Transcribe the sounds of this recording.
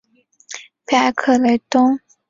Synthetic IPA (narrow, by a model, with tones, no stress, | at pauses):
pʰa˥˧˩kʰɤ˥˩le˧˩ɪt̪ʊ˥ŋ